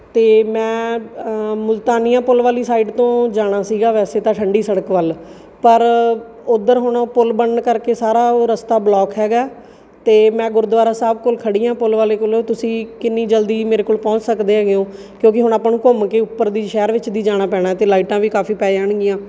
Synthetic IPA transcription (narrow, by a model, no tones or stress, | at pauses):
t̪eːmɛ̃ː | mʊlt̪aːnijãːpʊlʋaːliːsaːiːɖt̪õːd͡ʒaːɽ̃aːsiːɡaːʋɛːseːt̪ãːʈʰəɳɖiːsəɽəkʋəl | pəɾ | ʊd̪əɾɦʊɳpʊlbəɳɳkəɾkeːsaːɾaːɾəst̪aːblɔːkɦɛːɡaː | t̪eːmɛ̃ːɡʊɾd̪ʋaːɾaːsəb̚koːlkʰəɽiːãːpʊlʋaːleːkʊloːt̪ʊsĩːkɪnːiːd͡ʒəld̪iːmeːɾeːkoːlpɔ̃ːt͡ʃsəkd̪eːɦɛːɡɪjõː | kjõːkɪɦʊɳ̃aːpɳũːkʊmkeːʊpːəɾd̪iːʃɛːɾʋɪt͡ʃd̪iːd͡ʒaːɽ̃aːpɛ̃ːɽ̃aːɛt̪eːlaːiːʈãːʋiːkaːfʰiːpɛːeaɳɡɪjãː